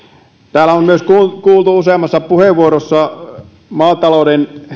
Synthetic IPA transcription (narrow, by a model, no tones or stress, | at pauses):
t̪æːlæommyøskukuːlt̪uuseˑɑmɑsːɑpuheʋʋuorosːɑ | mɑːt̪ɑloˑden